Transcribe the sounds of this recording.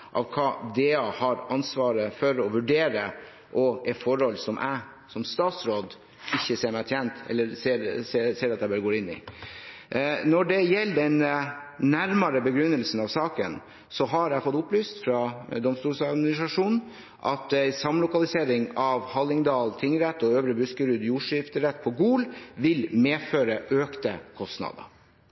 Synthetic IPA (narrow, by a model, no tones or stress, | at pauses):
ʔɑ̰ʋkʰɑːd̪eːɑhɑɾɑnsʋɑːɾəfɔɾɔʋʉɖeːɾə | ʔɔɛt̪fɔɾhɔlːsɔmʔæɪ | sɔmst̪ɑːt̪sɾoːd̪ | ɪçːəseːɾmæɪʈʰjɛnt̪ɛ̰lːəɾseːɾseseːɾɑt̪d̪æɪbøːɾɡoːɾɪnːɪ̰ | nɔɖɛjɛlːd̪ɛnnæɾmɑɾəbəɡɾʉnːəlsn̩ɑʋsɑːkə̰n | sɔɦɑɾæfɔt̪ːʊplyːst̪fɾɑd̪ɔmst̪uːlsɑd̪mɪnɪsɾɑʂuːnn | ʔɑt̪æɪsɑmlʊkɑlɪseːɾɪŋɑʋhɑlːɪŋd̪ɑːlt̪ʰɪŋɾɛt̪ːɔøːʋɾəbʉskəɾʉd̪juːʂɪft̪əɾɛt̪̚ːpʰɔɡuːlʋɪlmeːføːɾəʔøːkt̪əkʰɔst̪nɑ̰d̪ə̰